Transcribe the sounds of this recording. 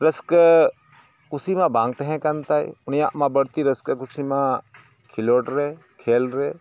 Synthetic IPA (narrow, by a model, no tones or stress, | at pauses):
ɾəskə | kʊsimãbãːŋɡ̚t̪eɦɛ̃kɐnt̪aːḭʊnjãʔmãbəɽt̪iɾəskəkʊsimã | kʰɪloːʈɾeː | kʰeːlɾeː